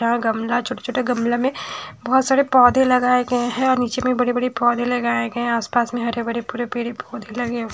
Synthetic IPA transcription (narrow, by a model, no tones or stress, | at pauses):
ãɡɐmlat͡ʃʰoːʈe̥t͡ʃʰoːʈeɡɐmlamẽbɔɦt̪saːɾepɔːd̪ʱẽlɐɡaːeɡɐeɦɛ̃ɔːɾniːt͡ʃemẽibɐɽebɐɽepɔːd̪ʱẽlɐɡaːeɡɐẽaːspaːsmẽɦɐɾebɐɽepuːɾepeːɽepɔːd̪ʱelɐɡe